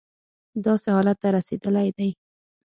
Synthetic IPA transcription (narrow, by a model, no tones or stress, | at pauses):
d̪ɑsehɑlat̪ːaɾased̪əlajd̪aj